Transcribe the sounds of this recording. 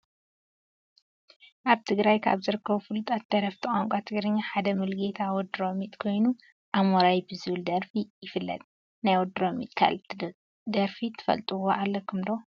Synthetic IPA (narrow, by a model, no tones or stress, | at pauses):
ʔaβt̪ʰɨɡɾajkʰa̰βzɨɾɨkʰːɐβufɨlut̪ʼat̪d̪ɐɾɐft̪ʰɐkʼaŋkʷʼat̪ʰɨɡɾɨɲːaħad̪ɐmɨlɡet̪ʰawɔd̪ɾo̞mit̪ʼkʰo̞jnu | ʔamoɾajbɨzɨβɨld̪ɐɾfijɪfɨlːɐ̰t̪ʼ | najwɔd̪ɾomḭt̪ʼkʰa̰l | d̪ɐɾfit̪ʰɨ̥fɐ̰lt̪ʼɨwoʔalːɐkʰɨmd̪o